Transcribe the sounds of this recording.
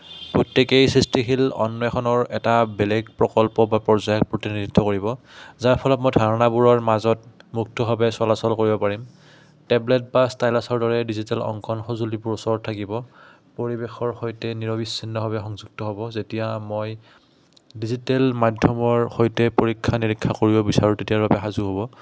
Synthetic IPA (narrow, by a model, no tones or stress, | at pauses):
pɹotːekejsɹistixilɔ̰nːɔɛxʰɔnɔɹɛtabɛlɛɡpɹɔkɔlpɔbapɹɔɹzajɔk̚pɹotiniditʰːɔkoɹibɔzaɹpʰɔlɔt̚mɔjdʱaɹɔnabuɹɔɹmazɔtmuk̚tʰɔbʱabɛsɔlasɔlkoɹibɔpaɹim | tɛblɛt̚bastajlasɔɹdɔɹɛdizitɛlɔ̰ŋkʰɔnxɔzulibuɹusɔɹtʰakibɔ | poɹibexɔɹxojtɛniɹɔbisːinːɔbʱabɛxɔŋzuɡ̚tɔɦobɔzetijamoj | dizitɛlmadʱjɔmɔɹxojtɛpoɹikʰːaniɹikʰːakoɹibɔbisaɹutetijaɹbabɛxazuɦobɔ